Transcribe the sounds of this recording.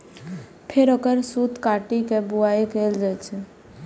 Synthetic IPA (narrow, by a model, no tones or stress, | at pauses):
pʰɪɾəkəɾsuːt̪kaːʈikebuaːikeːld͡ʒat͡ʃʰe